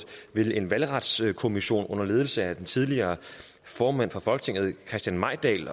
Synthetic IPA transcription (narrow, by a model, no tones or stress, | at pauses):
ʋe̝le̝nʋælʁɑd̥skʰo̝miɕo̝̰ːnɔ̽n̰ɐleːð̞ˠl̩səæd̥ent͡sʰið̞ˠliɐː | fɒːmæn̰fʁɑ̈fɒ̽lɡ̥ət͡sʰe̝ŋð̞̩ˠkʰʁɛsd̥jænmɑ̈ɪd̥ɛ̰ːl